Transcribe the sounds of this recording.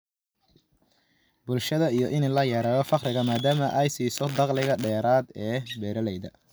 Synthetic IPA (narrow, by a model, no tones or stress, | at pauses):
bʊlʃɐðɐijɔʔɪnɛlɐjɐɾaːɣɔfɑqrɪɣɐmaːd̪aːmɐʔɛjsiːsɔd̪ɑqlɪɣɐɖɛːɾaːd̪ɛːbɛːɾɐlɛjðɐ̰